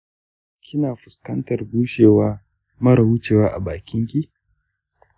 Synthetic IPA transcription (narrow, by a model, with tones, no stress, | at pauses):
kʲʰɪ˦naː˨ɸʊ˨skɐ˦ntɐ˨rɡuː˦ʃeː˨waː˦ | mɐ˦ɾɐ˨wʊ˦t͡ʃeː˨waː˦ʔa̰˨baː˨kʲɪ˦ŋkʲi˦